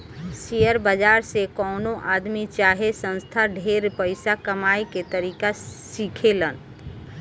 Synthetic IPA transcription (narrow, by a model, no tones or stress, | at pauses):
sijəɾbəd͡ʒaɾsekɔːnõʔaːd̪mit͡ʃaɦesə̃nst̪ʰaɖʱeɾpəɪsakəmaiket̪əɾiːkasikʰelən